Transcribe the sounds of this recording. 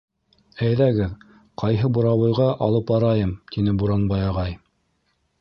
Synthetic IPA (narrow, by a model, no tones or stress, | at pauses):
æjðæɡɘð | qʰɑjɦɤbuɾɑwɤ̆jʁɑʔɑlˠɤpɑɾɑjɤmt̪ʰinɘbuɾɑnbɑjɑʁɑj